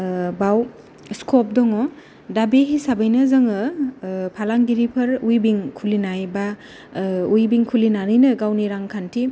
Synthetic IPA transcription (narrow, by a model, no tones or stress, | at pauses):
baw | skʰɔp̚dɔŋɔ | dabeɦisabəjnɐzɯŋɯpʰalaŋɡiɾipʰɐɾujbiŋkʰulinajba | ujbiŋkʰulinanijnɯɡawniɾaŋkʰantʰi